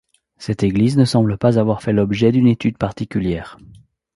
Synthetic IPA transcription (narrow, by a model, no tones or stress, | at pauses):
sɛt̪eɡliznəsɑ̃bləpazavwaʁfɛlɔbʒɛd̪ynet̪yd̪̚paʁt̪ikʲyljɛːʁ